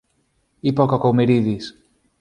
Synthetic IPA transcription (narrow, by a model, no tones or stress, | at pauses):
ipɔkɔkowmeɾiðis